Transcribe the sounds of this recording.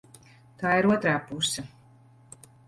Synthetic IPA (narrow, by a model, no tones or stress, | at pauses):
t̪aːiɾuɔt̪ɾaːpusɐ